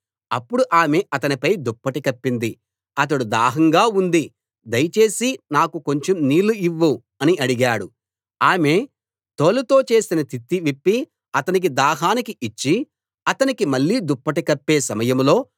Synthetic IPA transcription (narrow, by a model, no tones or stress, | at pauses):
ɐpːuɽuʔaːmeʔɐt̪ɐnipɐjd̪upːɐʈikɐpːind̪i | ɐt̪̬ɐɽud̪aːɦɐŋɡaːund̪i | d̪ɐjɐt͡ʃe̞ːsinaːkuko̞ɲt͡ʃemniːluiʋːu | ɐniɐɽiɡaːɽu | aːme̞ | t̪oːlut̪o̞ːt͡ʃe̞ːsinɐt̪it̪ːiʋipːi | ɐt̪ɐnik̬id̪aːɦaːnikiit͡ʃːi | ɐt̪ɐnikimɐɭːiːd̪upːɐʈikɐpːe̞ːsɐmɐjɐmlo̞ː